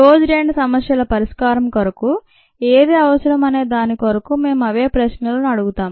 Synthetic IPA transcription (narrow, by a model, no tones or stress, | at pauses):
ɾoːd͡ʒɾeːɳɖsɐmɐsjɐlɐpɐɾiʂkaːɾɐmkɐɾɐku | eːd̪eːɐʋɐsɐɾɐmɐne̞ːd̪aːnikɐɾɐkume̞ːmɐʋe̞ːpɾɐʃnɐlunɐɽuɡut̪aːm